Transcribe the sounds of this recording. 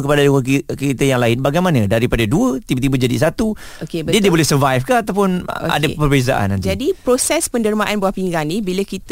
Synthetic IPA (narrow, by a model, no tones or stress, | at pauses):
kəpadaduəkit̪əjaŋlaɪnbaɡajmanə̃daɾipadaduət̪ibət̪ibəd͡ʒadis̬at̪u | okeddiədiəbolɛhsərvajfkaat̪awpʊnʔa̰dapərbeza̰ʔa̰nad͡ʒadipɾosɛspənərmãʔanbawahpiŋɡaŋnibiləkit̪